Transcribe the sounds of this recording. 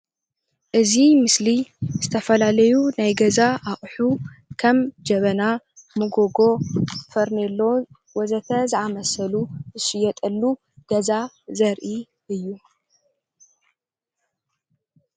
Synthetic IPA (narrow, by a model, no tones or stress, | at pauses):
ʔɨzimɨsliz̥ɨt̪ʰɐfɐlalɐjunajɡɐzaaχʼħukʰɐmd͡ʒɐβɐna | mɨɡoɡo̞fɐɾnelːow | wɔzɐt̪ʰɐzɨʕamɐsɐluɨʃɪjɛt̪ʼɐlːu | ɡ̥ɐza | zɐɾʔi | ɨjːu